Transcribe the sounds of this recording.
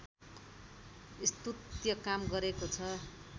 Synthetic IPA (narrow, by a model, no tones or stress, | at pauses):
ist̪ut̪jʌkamɡʌɾekot͡sʰʌ